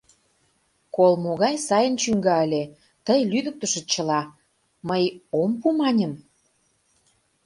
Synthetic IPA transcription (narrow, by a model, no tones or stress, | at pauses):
kolmoɣɑjsɑjənt͡ɕyŋɡɑəlʲe | t̪əjlyd̪ə̆k̚t̪ə̆ʃĕt͡ɕə̆lɑ | məjompumɑnʲəm